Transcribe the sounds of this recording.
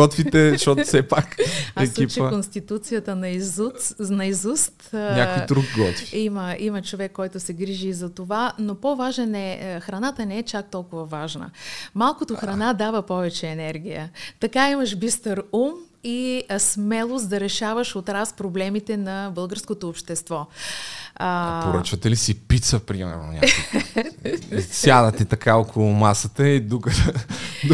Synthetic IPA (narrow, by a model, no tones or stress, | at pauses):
ɔt̪fit̪ɛʃɔt̪sɛpakaɛkit͡ʃɛonst̪it̪ut̪sijət̪ənɐizunɐizust̪ɲʲakoiɾuɡɡɔ̰t̪fiiməimət͡ʃovɛkːɔjt̪ʊsɛɡɾiʒiːzɐt̪ovanopovaʒnɐnɛxɾɐnat̪ənɛɛt͡ʃak̚t̪ɔlˠkʊvɐvaʒnə̰malˠkot̪oxɾɐnad̪avəpɔvɛt͡ʃɛːnɛɾɡʲijə̰t̪ɐkaiməʃbist̪əɾum | ismɛlˠosd̪ɐɾɛʃavəʃot̪ɾaspɾoblɛmit̪ɛnɐbɤlˠɡəɾskot̪oːpʃt̪ɛst̪vɔ | poɾət͡ʃvɐt̪ɛlisipit̪səpɾimɛ̰ɾno̰ɲʲa̰ | sjad̪ət̪it̪ɐkaokʰolˠʊmasət̪əid̪ukə